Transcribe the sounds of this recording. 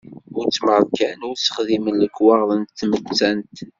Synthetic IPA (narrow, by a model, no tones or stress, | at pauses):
ʊɾt͡sːməɾˤkænʊɾsə̥χðimənləkːwɑʁðˤənt̪θmət͡sːænt̪